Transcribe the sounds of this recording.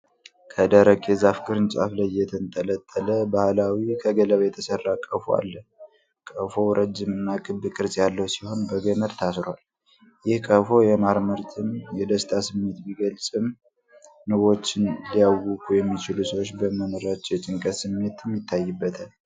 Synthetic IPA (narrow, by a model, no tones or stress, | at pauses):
kʰəd̪əɾəkʼezafkʰʼɨɾɨnt͡ʃʼa̰flajjɛt̪ʰɨnt̪ʼələt̪ʼːələbahlawikʰəɡələβjɛt̪ʰəsərːakʼːəfua̰lːə | kʼəfo̞ɾʔəd͡ʒːɪmɨnːakʼɨbɨkʼɨɾsʼjalːəwsiho̞nbəɡəməɾt̪ʰasɾwal | jɪhkʼəfo̞jɛmaɾməɾt̪ʰɨmjɛd̪əst̪ʰʼasɨmːe̞t̪biɡəlsʼɨm | nɨβo̞t͡ʃːɪnlijawukʼujɛmːit͡ʃɪlusəwot͡ʃːbəməmɨɾat͡ʃːɛjɛt͡ʃʼɪŋkʼəsɨmːe̞t̪ʰɨmːjɪt̪ʰːajːɨbːət̪ʰal